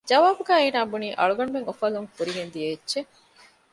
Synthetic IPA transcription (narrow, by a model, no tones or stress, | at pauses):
d͡ʒɐʋaːbuɡæːeːnaːbuniːʔɐɭuɡɐɳubeŋofɐluŋfuɾiɡend̪ie̥ːʒe